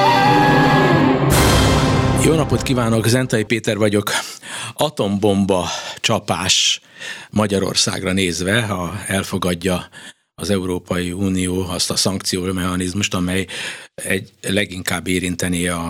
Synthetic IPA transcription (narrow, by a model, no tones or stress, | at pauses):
joːnɒpo̞t̪kiːvaːno̞kzɛnt̪ɒjipeːt̪ɛrvɒɟo̞k | ɒt̪o̞mbo̞mbɒt͡ʃɒpaːʃ | mɒɟɒɾo̰rsa̰ːɡrɒneːzʋɛɒɛlfo̞ɡɒɟːɒ | ɒzɛuɾoːpʰɒjiuːnijoːɒst̪ɒsɒŋk̚t̪sijoːʃmɛhɒnizmuʃt̪ɒmɛjɛɟlɛɡiŋkaːbːeːɾint̪ɛniɒ